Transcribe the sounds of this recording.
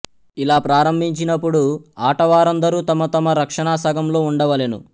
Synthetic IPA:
ilaːpɾaːɾɐmbʱiɲt͡ʃinɐpːuɽuaːʈɐʋaːɾɐnd̪ɐɾuːt̪ɐmɐt̪ɐmɐɾɐkʂɐɳaːsɐːɡʱɐmlo̞ːuɳɖɐʋɐlenṵ

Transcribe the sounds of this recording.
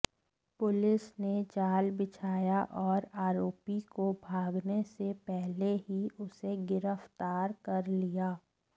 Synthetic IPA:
pʊlɪsned͡ʒaːlbɪt͡ʃʰaːjaʔɔːɾaːɾoːpikobʱaːɡnesepɛɦleɦiʔʊseɡɪɾəft̪aːɾkɐɾlijaː

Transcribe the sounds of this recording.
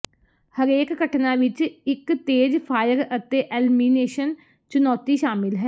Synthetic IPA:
həɾeːkːəʈnãːʋɪt͡ʃɪkt̪eːd͡ʒpʰaːjəɾət̪eːʔɛːlmineːʃən | t͡ʃʊnɔːt̪iːʃaːmɪlɦɛː

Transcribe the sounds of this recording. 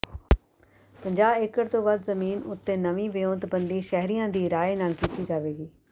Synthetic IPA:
pɐ̃ɲd͡ʑaːbeːkəɾt̪oʋɐd̪zɐmiːnʊt̪ːenɐʋĩʋɪjõːt̪bɐ̃nd̪iʃɛɦɾijãd̪iːɾaːenaːlkiːt̪id͡ʒaːʋeːɡiː

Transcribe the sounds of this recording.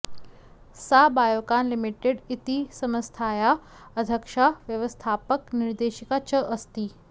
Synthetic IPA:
sabajokanlimiʈeɖit̪isəməst̪ʰaja | əd̪ʱəkʂaʋjəʋəst̪ʰapəkniɾd̪eɕikat͡ɕəʔəst̪iː

